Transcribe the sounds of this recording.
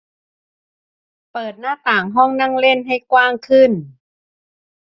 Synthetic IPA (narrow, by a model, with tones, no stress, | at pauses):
pɤː˨˩t̪̚naː˥˩t̪aː˨˩ŋɦɔː˥˩ŋna˧˥˩ŋle˧˥˩nɦa˧˩jkwaː˧˥˩ŋkʰɯ˧˩n